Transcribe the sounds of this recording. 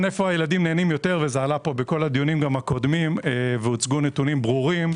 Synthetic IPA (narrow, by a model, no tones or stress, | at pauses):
nefo̞ajeladimneːnimjo̞te̞ʁve̞zaːlapo̞beko̞lad̪ijunimɡamhako̞d̪mimveut͡sɡunet̪unimbʁuʁim